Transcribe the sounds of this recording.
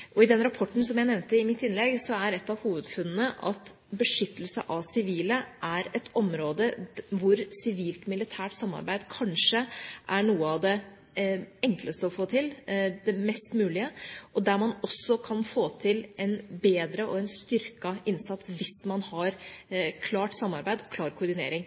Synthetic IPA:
ʔɔɪd̪ɛnɾɑpʰɔʈːn̩sɔmjæɪnɛʋnt̪əɪmɪt̪ːɪnlɛɡsɔæɾɛt̪ːɑʋhuːʋəd̪fʉnnəʔɑt̪ | bəʂʏt̪ːəlsəʔɑʋsɪʋiːləʔæɾɛt̪ʰɔmɾoːd̪əʋʊɾsɪʋiːlt̪mɪlɪt̪ʰæːʈsɑmːɑ̰ɾbæɪd̪kʰɑnʂəʔæɳuːəɑʋd̪ɛ | ɛŋkləst̪əɔfoːt̪ʰɪld̪ɛmɛst̪mʉːlɪəʔɔd̪æɾmɑnɔsːɔkʰɑnfoːt̪ʰɪlʔɛnbeːd̪ɾəʔɔɛnst̪ʏɾkɑɪnsɑt̪sʋɪsmɑnhɑɾkʰlɑːʈsɑmːɑɾbæɪd̪kʰlɑːɾkʰʊɖɪnḛːɾɪŋ

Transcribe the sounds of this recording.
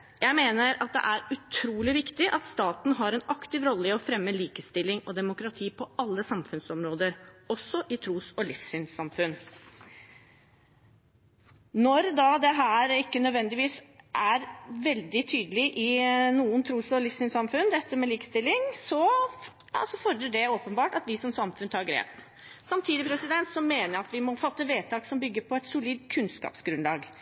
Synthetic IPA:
jæɪmeːnəɾɑt̪̚d̪ɛ̰ʔæɾʉt̪ʰɾuːlɪʋɪkt̪ɪʔɑt̪st̪ɑːt̪n̩ɦɑɾɛnɑkt̪ɪʋɾɔlːəɪɔfɾɛmːəliːkəst̪ɪlːɪŋɔd̪ɛmʊkɾɑt̪ʰiːpʰɔʔɑlːəsɑmfʉnsɔmɾoːd̪əɾɔsːɔʔɪt̪ʰɾuːsɔlɪfsyːnsɑmfʉn | nɔɾd̪ɑd̪ɛɦæːɾɪkːənœd̪ʋɛnd̪ɪʋiːsʔæɾʋɛld̪ɪt̪ʰyːd̪əlɪʔɪnuːənt̪ʰɾuːsɔlɪfsyːnsɑmfʉnd̪ɛt̪ːəmɛliːkst̪ɪlːɪŋsɔ | ɑ̰sɔfɔɾd̪əɖɛoːpənbɑːʈɑt̪ʋɪsɔmsɑmfʉnt̪ʰɑːɾɡɾḛːp | sɑmt̪ʰiːd̪ɪpʰɾɛsɪd̪ɛnt̪sɔmeːnəɾɑt̪ʋɪmɔfɑt̪ːəʋeːt̪ʰɑːksɔmbʏɡːəɾpʰɔɛt̪sʊliːd̪kʰʉnskɑ̰ːpsɡɾʉnlɑːɡ

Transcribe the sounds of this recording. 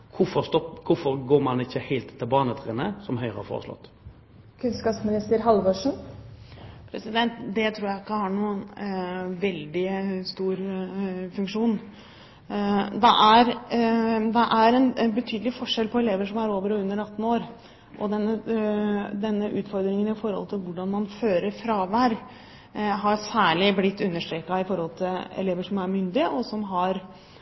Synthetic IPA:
kʰʊfɔst̪ɔpkʰʊfɔɾɡoːmɑnɪçːəhæɪlt̪t̪ʰːɪlbɑːnət̪ʰʁḛnəsɔmɦœʏʁəɑ̰fo̰ːʁəslɔ̰t̪ː | kʰʉnskɑpsmɪnɪst̪əɾɦɑlʋɔʂɳ̩ | pʰɾɛsɪd̪ɛnt̪d̪ɛt̪ʰɾuːɾjæɪɪkːəhɑɳuːən | ʋɛld̪ɪst̪uːɾfʉŋkʂuːn | d̪ɛʔæɾ | d̪ɛʔæɾɛnbət̪ʰyːd̪əlɪfɔʂɛlpʰɔɛleːʋəʂɔmæɾoːʋəɾɔʉnːəɾɑt̪ːn̩oːɾ | ʔɔd̪ɛnːə | d̪ɛnːəʔʉːt̪fɔɾd̪ɾɪŋənɪfɔɾhɔ̰lt̪ʰɪlʋʊɖɑnmɑnføːɾəɾfɾɑːʋæːɾ | ɦɑɾsæːɭɪblɪt̪ːʉnːəʂʈ̪ɾeːkɑɪfɔɾhɔlt̪ʰɪlɛ̰leːʋəʂɔmæɾmʏnd̪ɪəʔɔsɔmɦɑɾ

